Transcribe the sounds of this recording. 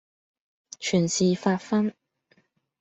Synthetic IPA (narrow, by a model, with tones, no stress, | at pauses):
t͡ʃʰyː˨˩nsiː˨faː˧t̚fɐ˥n